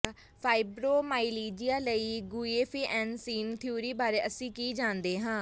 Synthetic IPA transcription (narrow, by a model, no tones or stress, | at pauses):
pʰaːɪbɾoːmaːiliːd͡ʒɪjaːləiːɡuːeːpʰiːʔɛ̃ːɳsiːnt̪ʰɪjuːɾiːbaːɾeːʔəsĩːkiːd͡ʒãːnd̪eːɦãː